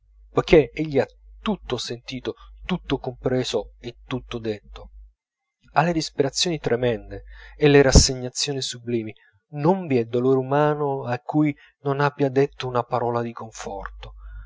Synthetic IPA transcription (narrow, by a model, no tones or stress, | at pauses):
pojkːeeʎːiat̪ːut̪ːosent̪iːt̪ot̪ut̪ːokompɾɛːzoet̪ːut̪ːod̪et̪ːo | alːed̪ispeɾat̪sːjoːnit̪ɾemɛnd̪eːlːeɾasːeɲːat̪sːjoːnisubliːmi | noɱviɛd̪oloːɾeumaːnoakʰːuj | nonabjad̪et̪ːounapaɾɔːlad̪ikoɱfɔ̰rt̪o